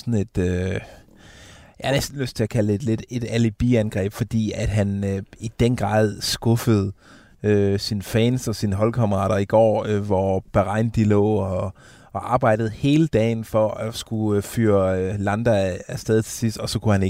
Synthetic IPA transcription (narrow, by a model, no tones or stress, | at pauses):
sɒne̝d̥ø | jɑhnesd̥n̩løsd̥t͡sʰe̝ækʰæle̝d̥le̝d̥e̝d̥ælib̥ḭænɡ̥ʁɛ̰ːb̥fɒ̽d̥ḭːæd̥ɦænøid̥enɡ̥ʁɑ̈ːð̞ˠsɡ̥ɔ̽fəð̞̩ˠ | øsinfɛːnsɒ̽sinəɦɒ̽lkʰɑməʁɑ̰̈ːɾ̥ɐiɡ̥ɒ̰ːøʋɒb̥æʁɑ̈ɪnd̥ilɔ̰ːɒ | ʔɑ̈ːb̥ɑ̈ɪ̰ɾd̥ð̞̩ˠhe̝ːləd̥ɛ̰ːɪnfɒ̽æsɡ̥ufyːɐølænd̥ææsd̥ɛːð̞ˠit͡sʰe̝sisd̥ɒ̽sɒ̽kʰuhæne